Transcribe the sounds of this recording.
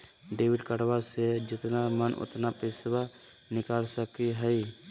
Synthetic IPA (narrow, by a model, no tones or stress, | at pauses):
ɖeːwɪɖkəɽwased͡ʒɪt̪namənʔʊ̰t̪napesba | nɪkaːlsəkiɦəj